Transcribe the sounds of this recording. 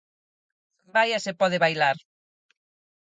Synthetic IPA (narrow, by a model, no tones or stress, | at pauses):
bajasepɔðɪβajlaɾ